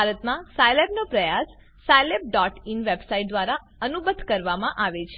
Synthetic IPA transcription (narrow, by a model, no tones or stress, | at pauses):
aɾət̪mãsajlebnopɾəjasː | ajleb̚ɖɔʈinʋebsaiʈ̚d̪ʋaɾa | ənubəd̪ʱkəɾʋamãʔaʋet͡ʃʰe